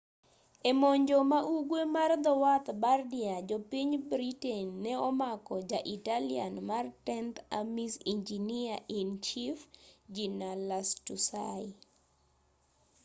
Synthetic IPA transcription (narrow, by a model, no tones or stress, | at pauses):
emoɲd͡ʒomaʔuɡwemard̪ɔwat̪bardiad͡ʒopiɲbɾitenːɛɔmakɔd͡ʒaʔitalia̰nmartɛnt̪amisind͡ʒiniaʔint͡ʃifd͡ʒinalastusa